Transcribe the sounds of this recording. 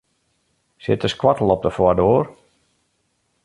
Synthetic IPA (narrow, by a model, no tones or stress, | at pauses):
sɪ̰təskwɔtl̩ˠɔp̚dəfwɔdoːr